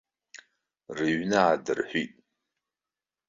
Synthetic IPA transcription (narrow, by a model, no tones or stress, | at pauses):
rɨɥnɨadɨrħʷitʼ